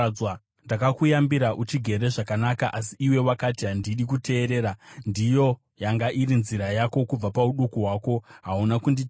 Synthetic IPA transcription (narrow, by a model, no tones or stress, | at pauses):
wa | ndakakujambiɾaʔut͡ʃiɡʱe̞ɾe̞ʐakanakaʔas̬iiwe̞wakatiɦandiɗik̬ute̞ːɾe̞ːɾandijo̞ | jaŋɡaʔiɾinziɾajako̞kub͡vapauɗukuɦwaːko̞ɦaunakundi